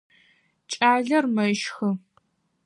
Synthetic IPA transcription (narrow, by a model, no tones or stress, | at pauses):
t͡ʃʼaːɮɐrmɐʃxɨ